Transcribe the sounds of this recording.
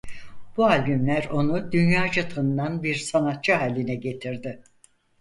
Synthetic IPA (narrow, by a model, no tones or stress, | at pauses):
b̥ualʲbymlʲæɾo̞nud̪ynjaːd͡ʒat̪ʰɯnd̪anbiɾsanat̪̚t͡ʃʰɯɦaːlʲinɛɟe̞t̪ʰiɾd̪ɪ